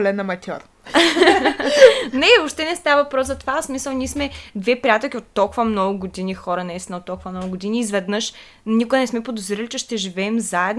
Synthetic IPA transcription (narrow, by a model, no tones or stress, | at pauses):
lɛnːɐmɐt̪ʲɔɾ | nɛvopʃt̪ɛnɛst̪avəɐvɐpɾɔszɐt̪ovasmisəlˠniɛsmɛd̪vɛpɾijat̪ɛlˠk̟ʲiot̪ːɔlˠkʊvɐmnɔɡʊɡod̪inixɔɾɐnɐɛsɛnɐot̪ːɔlˠkʊvɐmnɔɡʊɡʊd̪iniːzvɛd̪nɤʃ | nʲikʊɛnɛsmɛpod̪ozɾilʲit͡ʃɛʃt̪ɛʒivɛːmzaɛd̪n